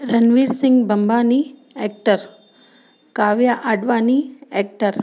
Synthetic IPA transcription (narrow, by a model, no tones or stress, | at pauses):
ɾɐnʋiːɾsɪŋɡbɐmbaːni | eːk̚ʈəɾ | kaːʋjaʔəɖʋaːnieːk̚ʈəɾ